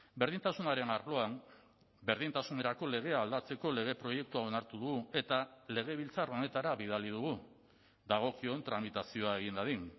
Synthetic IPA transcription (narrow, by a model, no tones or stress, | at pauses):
be̞ɾðint̪asunaɾe̞naɾlo̞am | be̞ɾð̞int̪asune̞ɾako̞le̞ɣ̞e̞aːld̪at͡se̞ko̞le̞ɣ̞e̞pɾo̞je̞k̚t̪uao̞naɾt̪uðuɣue̞t̪ale̞ɣ̞e̞β̞ilt͡saro̞ne̞t̪aɾaβið̞alið̞uɣu | d̪aɣ̞o̞kio̞nt̪ɾamit̪asio̞ae̞ɣind̪aðin